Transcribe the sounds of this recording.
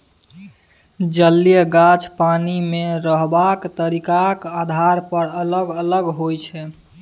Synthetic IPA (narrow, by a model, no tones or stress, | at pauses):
d͡ʒəlːijəɡat͡ʃpanimeɾəɦbakt̪əɾikakad̪ʱaɾpəɾələɡələɡɦojt͡ʃʰɛ